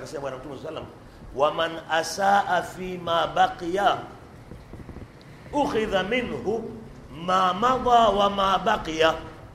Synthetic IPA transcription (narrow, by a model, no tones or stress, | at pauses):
kasimaɓwanam̩tumɛswasalːama | wamanʔasaːʔafiːmaːbaqija | ʔʊxɪðamɪnhʊ | maːmaðˤɑːwamaːbaqija